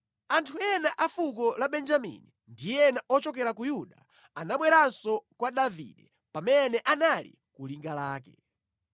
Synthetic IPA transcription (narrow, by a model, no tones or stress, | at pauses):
antʰuɛnaʔafuk̬ɔlaɓɛnd͡ʒamḭni | ndijɛnaʔɔt͡ʃɔkɛɾakujuɗa | anaɓwɛɾansɔkwaɗavḭɗɛ | pamɛnɛʔanalḭ | kuliŋɡalaːkɛ̰